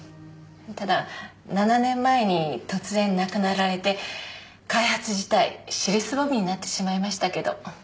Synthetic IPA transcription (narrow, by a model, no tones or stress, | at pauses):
t̪ad̪a | nananẽ̞mːae̞ɲ̟it̪o̞t͡sɨzẽ̞nːakɯ̟naɾaɾe̞t̪e̞ | kaihat͡sɨʑi̥t̪aḭɕiɾɯ̟sɨbobʲiɲ̟inat̪ːe̞̥ɕimaimaɕi̥t̪ake̞d̪o̞̰